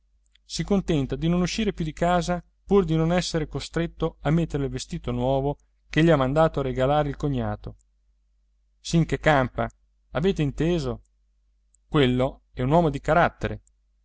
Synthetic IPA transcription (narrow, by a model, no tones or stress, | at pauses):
sikont̪ɛnt̪ad̪inonuʃːiːɾepjud̪ikaːza | purd̪inonɛsːeɾekost̪ɾet̪ːoamːet̪ːeɾelelvest̪iːt̪onwɔːvo | keʎiamːand̪aːt̪oarːeɡalaːɾeilkoɲːaːt̪o | siŋkekːampa | aveːt̪eint̪eːzo | kwelːo | ɛunwɔːmod̪ikaɾat̪ːeɾḛ